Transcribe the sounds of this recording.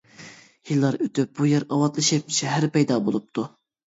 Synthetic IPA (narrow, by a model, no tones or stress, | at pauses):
jilˠːɑɾøt̪yp̚bujɛɾɑwɑt̪lˠɨʃɪp̚ʃʰɛɦæɾpɛjd̪ɑbolˠup̚t̪ʰu